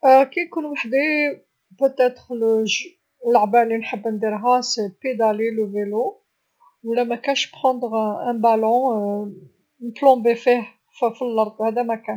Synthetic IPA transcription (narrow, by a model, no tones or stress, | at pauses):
kæjkunwaħd̪e | pət̪ɛt̪χləʒ | lʕbælinħəbːnd̪iɾɦæseped̪æliləvelo | wlæmækænʃbχɑ̃nd̪ʁæ̃balɔ̃ | nət̪lɔ̃befih | ffilːɑɾˤd̪ˤhæd̪æmækæn